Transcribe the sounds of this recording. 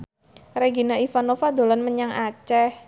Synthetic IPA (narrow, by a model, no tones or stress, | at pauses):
reɡinaifanofad̪o̤lanməɲaŋʔat͡ʃɛh